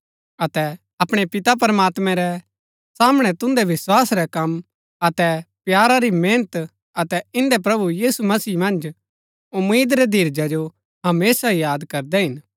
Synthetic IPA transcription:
ɐt̪ɛ | ɐpɽ̃epɪt̪ap̬ɐɾəmaːt̪mɛ̃ɾɛ | saːmɽ̃ɛt̪ʊ̃nd̪ɛʋɪswaːsɾɛkɐm | ɐt̪ɛpjaːɾaɾimẽːnət̪ | ɐt̪ɛɪ̃nd̪ɛp̬ɾɐbujiːsumɐsiːmɐ̃nd͡ʒ | ʊmiːd̪ɾɛd̪ʱiːɾd͡ʒad͡ʒo | ɦɐmeːsaijaːd̪kɐɾd̪ɛɦɪn

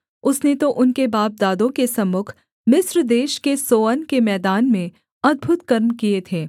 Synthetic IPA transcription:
ʊsnet̪oʔʊnkebaːp̚d̪aːd̪õkesɐmʊkʰ | mɪsɾd̪eːʃkesoːənkemɛːd̪aːnmẽ | ɐd̪̚bʱʊt̪kɐɾmkiet̪ʰeː

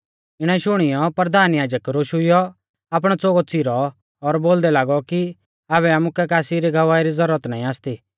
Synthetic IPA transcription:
ɪɽ̃ɛʃʊɽ̃ɪjɔpɾɐɾd̪ʱaːnjaːd͡ʒəkɾoːʃʊɪjɔ | aːp̬ɽ̃ɔt͡soːɡɔt͡siɾɔː | ɾboːld̪ɛlaːɡɔki | aːβɛamukɛkaːsiɾiɡʱɐʋaːiɾizɐɾuɾət̪naːĩaːst̪iː

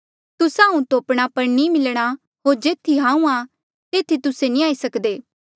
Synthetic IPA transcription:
t̪ʊsãːũt̪oɐpɽ̃apɐɾnimɪlɽ̃a | ɦoːɾd͡ʒeːt̪ʰiɦãːũa | t̪eːt̪ʰit̪ʊsenĩaːisɐkd̪eː

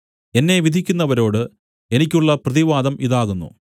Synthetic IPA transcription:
e̞nːe̞ʋid̪ʱikʲːunːɐʋɐɾo̞ːɽɨ | e̞nikʲːuɭːɐprɐðiʋaːd̪ɐmʔiðaːɣunːṵ

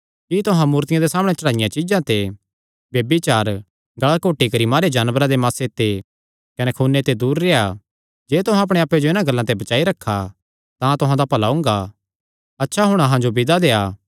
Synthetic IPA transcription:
kit̪ʊɦãmuːɾt̪ɪjãd̪esaːməɽ̃eɛt͡ʃɐɽ̃aːɪjãt͡ʃɪd͡ʒãt̪e | bjeːbit͡ʃaːɾ | ɡɐɭakoːʈikɐɾimaːɾed͡ʒaːnbəɾãd̪emaːset̪ːe | kɐnɛkʰuːnːet̪ed̪uːɾːeːa | d͡ʒeːt̪ʊɦãɐpɽ̃ẽaːpːed͡ʒoɪnãɡɐlːãt̪ebɐt͡ʃaːiɾɐkʰːa | t̪ãt̪ʊɦãd̪apɐlaʊ̃ːŋɡa | ɐtːʃʰaɦʊɽ̃aɦãd͡ʒobɪd̪ad̪eːaː

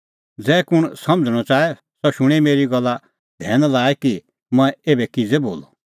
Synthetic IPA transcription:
d͡zɛːkʊɽ̃sɐ̃md͡zɽ̃ɔt͡saːɛ | sɔʃʊɽ̃ɛmeːɾiɡɐlːa | d̪ʱɛːnlaːɛki | mɐ̃ɛ̃eːbɛkid͡zebo̰ːlɔ

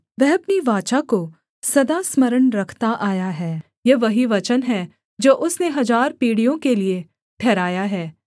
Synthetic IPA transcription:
ʋɛɦɐpniʋaːt͡ʃako | sɐd̪asməɾəɳɾɐkʰt̪aʔaːjaɦɛː | jeʋɐɦiʋɐt͡ʃənɦɛ | d͡ʒoːʔʊsneɦɐzaːɾpiːɽijõkelie | ʈʰɛːɾaːjaɦɛː

